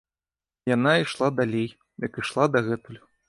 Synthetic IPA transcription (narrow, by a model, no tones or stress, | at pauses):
janaiʂlˠad̪alʲej | jɐkiʂlˠad̪ɐɣɛt̪ulʲʊ